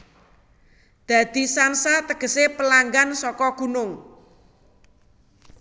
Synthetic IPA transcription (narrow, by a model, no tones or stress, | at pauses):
d̪̥a̤d̪̥i̤sansat̪əɡ̥ə̤sepəlaŋɡansɔkɔɡ̥ṳnʊŋ